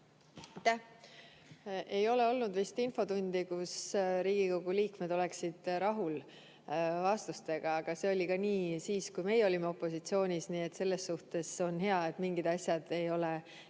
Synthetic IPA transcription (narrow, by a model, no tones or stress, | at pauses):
ɑjt̪ːæh | ʔe̞jo̞le̞o̞lnud̪vist̪info̞d̪unʲd̪̥ikusɾiːɡ̥iko̞ɡ̥uliːkme̞d̪̥o̞le̞ksid̪̥ɾɑɦul | vɑst̪ust̪e̞ɡ̥ɑːɡ̥ɑse̞o̞lʲikɑniːsiːskujme̞jeo̞lʲimeo̞pːˑo̞sit̪sio̞ːnʲisniːe̞t̪se̞lːe̞sːuht̪e̞so̞nɦe̞ɑe̞t̪ːˑmiŋɡ̥id̪̥ɑsjɑd̪̥e̞jo̞le̞